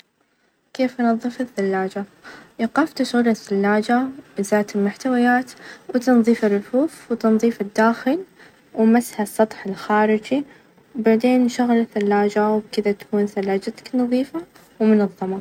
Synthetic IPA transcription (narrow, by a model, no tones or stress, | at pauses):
keːfʔɑnɑðˤːɨfɪθːalːaːd͡ʒajɑqɑft̪aʃɣuːɾɪsːalːaːd͡ʒaʔɪzaːt̪ɪlmʊħt̪awajaːt̪wt̪ɑnðˤiːfɪrːʊfuːfwt̪ɑnðˤiːfɪd̪ːaːxɪl | wmasːhasˤːɑt̪ˤħɪlxaːɾɪd͡ʒi | wbaʕd̪eːnʃʊɣlaθalːaːd͡ʒawbkɪd̪at̪ḁkuːnθalːaːd͡ʒat̪ḁknɑðˤiːfa | wmʊnɑðˤːɑmɑ